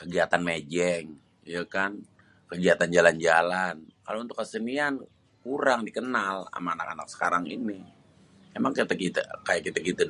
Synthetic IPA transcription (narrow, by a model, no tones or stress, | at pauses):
kəɡiat̪anmed͡ʒɛŋ | ijakan | kəɡiat̪and͡ʒaland͡ʒalankalount̪ʊ̥kːəsənian | kuɾaŋdikənala̰maːnakana̰k̚sə̥kaɾaŋḭni | emaŋkət̪akit̪a̰kajaʔkit̪akit̪a